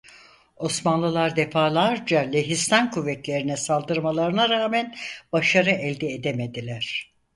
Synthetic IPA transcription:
o̞smanlˠɯlˠaɾd̪efaːlˠaɾd͡ʒalʲeɦist̪ʰankʰuvːɛt̪lʲe̞ɾinɛsalˠd̪ɯɾmalˠaɾɯnaɾaːmænbaʃaɾɯʔɛlʲd̪ɛed̪emed̪ilʲæɾ̝̥

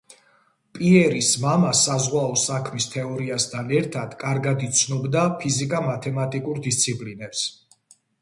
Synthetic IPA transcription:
pʼiɛɾismamasazʁwaɔsakʰmist̪ʰɛɔɾiast̪ʰanɛɾt̪ʰad̪̥kʼaɾɡad̪it̪sʰnɔbd̪apʰizikʼamat̪ʰɛmat̪ʼikʼuɾd̪ist̪sʰipʼlinɛps

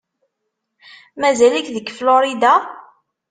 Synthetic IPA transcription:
mæzælækðəɡfloɾid̪a

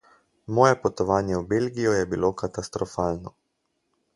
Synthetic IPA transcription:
mɔːjɛpɔt̪ɔʋaːnjɛwbelɡijɔjɛbilokat̪ast̪ɾɔfaːlnɔ

